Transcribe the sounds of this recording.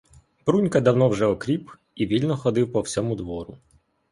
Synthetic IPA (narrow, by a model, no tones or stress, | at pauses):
bɾunʲkɐd̪ɐwnɔwʒɛɔkɾʲip | iʋʲilʲnɔxɔd̪ɪwpɔwsʲɔmʊd̪ʋɔɾʊ